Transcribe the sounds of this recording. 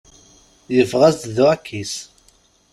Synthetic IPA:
jəfʁæzt̪ðʊækʰːis

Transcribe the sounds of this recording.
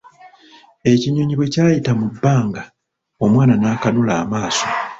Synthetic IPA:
e̞ciɲo̞ɲiβwe̞caːjitamubːaːŋɡa | o̞mwaːnanaːkanulaːmaːso

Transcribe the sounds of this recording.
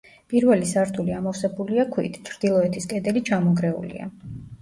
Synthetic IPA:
pʼiɾvɛlisaɾt̪ʰuliamɔfsɛbuliakʰwḭt̪ʰi̥t͡ʃʰɾd̪̥ilˠɔɛt̪ʰiskʼɛd̪ɛlit͡ʃʰamɔɡɾɛṵlḭa̰

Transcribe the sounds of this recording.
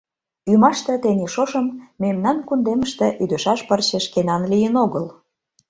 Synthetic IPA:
ymɑʃt̪ĕt̪enʲeʃoʃə̆mːemnɑnkund̪eməʃt̪ĕʔyd̪øʃɑʃpərɕeʃkenɑnlijənoɣəl

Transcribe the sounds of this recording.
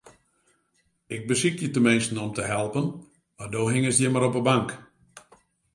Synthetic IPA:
ɪɡ̚bəsikjətəmɪnstn̩ɔmtəɦɛlˠpən | mardoːɦɪŋəsjəmaɾɔpəbaŋk

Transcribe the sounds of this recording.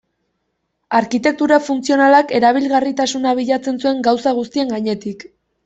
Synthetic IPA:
aɾkit̪e̞k̚t̪uɾafunt͡sio̞nalake̞ɾaβ̞ilɣarit̪asunaβ̞iʎat͡se̞nsue̞ŋɡawsaɣ̞ust̪ie̞ŋɡaɲe̞t̪ik

